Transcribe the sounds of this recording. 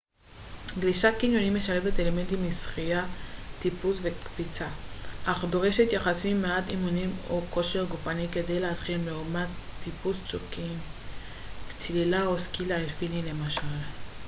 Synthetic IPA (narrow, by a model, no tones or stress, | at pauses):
ɡliʃakinjo̞nimːe̞ʃale̞vet̪eleme̞nt̪imisχijat̪ipusvekfit͡saʔaχd̪oʁeʃet̪jaχasimːeatimunimoko̞ʃe̞ʁɡufanike̞de̞jlehatχimleumatːipust͡sukim | t͡slilaoskilaefinile̞maʃal